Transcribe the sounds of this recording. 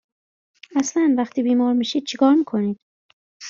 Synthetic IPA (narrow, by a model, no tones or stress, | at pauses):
æslænvæxt̪ʰiːbiːmɒːɾmiːʃiːd̪̥̚t͡ʃʰekʰɒːɾmiːkʰo̞niːd̪̥̚